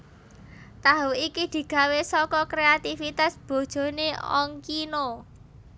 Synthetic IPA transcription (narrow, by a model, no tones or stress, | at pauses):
t̪aɦuikid̪̥i̤ɡ̥ä̤wesɔkɔkɾeat̪ifit̪asb̥o̤d̥ʒ̥o̤neɔ̰ŋkino